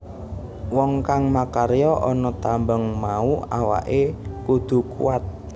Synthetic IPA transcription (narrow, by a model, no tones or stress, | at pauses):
wɔŋkaŋmakaɾejɔʔɔnɔt̪ambəŋmauawa̰ʔekud̪̥ṳkṵwat̪̚